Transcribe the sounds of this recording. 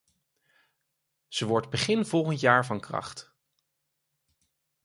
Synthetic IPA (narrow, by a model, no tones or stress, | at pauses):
z̥əʋɔɹdbəχɪnv̥ɔlˠχəntjaːɹvɑnkrɑ̰χt